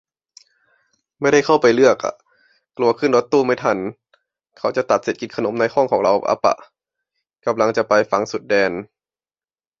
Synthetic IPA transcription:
ma˥˩˨jda˥˩jkʰa˥˩wpa˧jlɯ˥˩ək̚ʔa̰˨˧˩ | klu˧ɐkʰɯ˥˩˨ndɔː˧˦t̪ːuː˧˥˩ma˥˩jt̪ʰa˧˩n | kʰa˧˥˩wt͡ɕa˨˧˩t̪a˨˩t̪̚se˨˩t̪̚ki˧nkʰa˧no˨˦mna˧jhɔː˥˩˨ŋkʰɔː˩˦ŋɾa˧ʔʔa̰˧˦pa̰˧˩ʔ | ka˧mla˧ŋt͡ɕa˨˩ʔpa˧jfa˧ŋsu˨˩t̪̚dɛː˧n

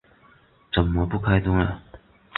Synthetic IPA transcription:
t͡sə˨˩nmə˦pu˥˧kʰa˥ɪt̪ʊ˥ŋə˨

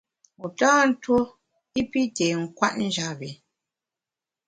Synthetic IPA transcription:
u˨taː˦n̩˦two˦ | i˦pi˦te˨ŋ̩˨kwa˦tn̩˦d͡ʒa˦bi˨

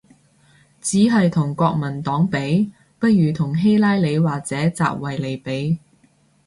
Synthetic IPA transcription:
t͡siː˨˥ɦɐ˨jt̪ʰʊ˨˩ŋkʷɔː˧k̚mɐ˨˩nt̪ɔː˨˥ŋpe˨˥j | pɐ˥t̚ɥyː˨t̪ʰʊ˨˩ŋɦe˥jlaː˥jle˨˧jwaː˨k̚t͡sɛː˨˥t͡sa̰ː˧p̚wɐ˨jle˨˧jpe˨˥j

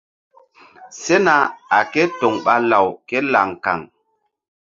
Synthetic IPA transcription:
se˦na˨a˨ke˦to˨ŋɓa˦la˨wke˦la˨ŋka̰˨ŋ

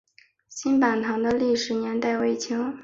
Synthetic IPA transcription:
ɕi˥npa˨˩nt̪ʰɑ˧˥ŋd̪ə˧li˥˩ʂɻ̩˨˩njɛ˧˥nt̪a˥˩ɪwe˥˩ɪt͡ɕʰi˧˥ŋ

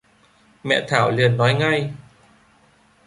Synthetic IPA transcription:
mɛ̰˧˩t̪ʰaː˩˦wli˧˩ənːɔː˦˥jŋa˧j

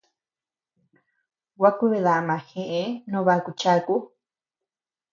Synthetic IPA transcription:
wa˦ku˦βe˧ða˨mã˨hẽ˧ʔe˦nõ˧βa˧ku˧t͡ʃa˦ku˦

